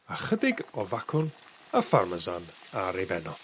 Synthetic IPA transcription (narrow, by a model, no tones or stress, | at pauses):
aχədɪɡɔvakʰʊn | afarməzan | aɾebɛnɔ